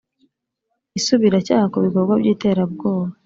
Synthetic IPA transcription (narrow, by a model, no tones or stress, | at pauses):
isuβiɾacaːhakuβiko̞ɾɡwabɟiːte̞ːɾab̚ɡo̞ːβa